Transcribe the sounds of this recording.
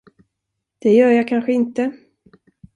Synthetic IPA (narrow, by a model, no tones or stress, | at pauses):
d̪̥ɛjœːɾjɑːkʰanɧəɪnt̪ə